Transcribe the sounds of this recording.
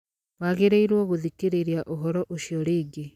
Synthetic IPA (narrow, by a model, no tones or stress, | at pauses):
waɣeɾeiɾwɔɣoðikeɾeɾjaʔoɦɔɾɔʔoʃjɔɾeːɡe